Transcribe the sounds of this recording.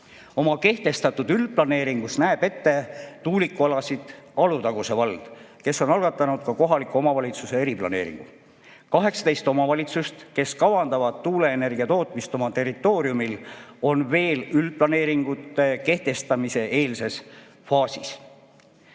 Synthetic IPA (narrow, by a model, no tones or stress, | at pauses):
o̞mɑke̞ht̪e̞st̪ɑt̪ːud̪̥ylplɑne̞ːɾiŋɡ̥usnæeb̥e̞t̪ːe̞t̪uːlikːˑuɑlɑsid̪̥ɑlut̪ɑɡ̥use̞vɑld̪̥ | ke̞sːo̞nɑlɡ̥ɑt̪ːˑɑnud̪̥̚kɑko̞ɦɑlikuo̞mɑvɑlʲit̪suse̞eɾiplɑ̰ne̞̰ːɾḭŋɡ̥ṵ | kɑɦe̞ksɑ̥t̪e̞jst̪o̞mɑvɑlʲit̪sust̪ke̞skɑvɑnd̪ɑvɑd̪̥t̪ːuːle̞ːne̞rɡ̥iɑt̪o̞ːt̪ˑmist̪o̞mɑt̪e̞rit̪ːˑo̞ːɾiumilo̞nve̞ːlylplɑne̞ːɾiŋɡ̥ut̪ːˑe̞ke̞ht̪e̞st̪ɑmise̞ʔe̞ːlse̞s | fɑːsis